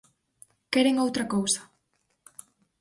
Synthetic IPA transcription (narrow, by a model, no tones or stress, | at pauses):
kɛɾeŋowt̪ɾɐkowsɐ̥